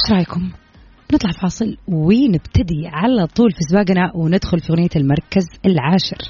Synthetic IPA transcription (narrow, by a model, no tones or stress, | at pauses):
ʃɾˤɑːjkʊm | bnɨt̪ˤlɑʕfɑːsˤɨlwiːnɪbt̪ad̪iʕalat̪ˤːuːlfisbaːɡnaʔwɪnɪd̪xʊlfiɣʊnɪjːalmɑɾˤkazɪlʕaːʃɪ̰ɾ